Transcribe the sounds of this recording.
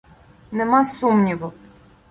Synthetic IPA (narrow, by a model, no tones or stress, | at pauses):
nɛmasumnʲivɔ